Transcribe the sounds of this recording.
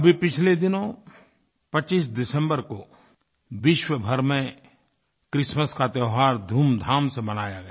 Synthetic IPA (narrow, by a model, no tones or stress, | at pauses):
ɐbʱipɪt͡ʃʰled̪ɪnõ | pɐt͡ʃiːs̬d̪ɪsə̃mbəɾko | ʋɪʃwəbʱɐɾmẽ | kɾɪʃməskat̪jəːɦaːɾd̪ʱuːmd̪ʱaːmsebɐnaːjaɡɐjaː